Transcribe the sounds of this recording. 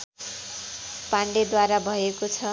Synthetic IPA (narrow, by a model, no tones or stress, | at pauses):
paɳɖed̪waɾabʱʌekot͡sʰʌ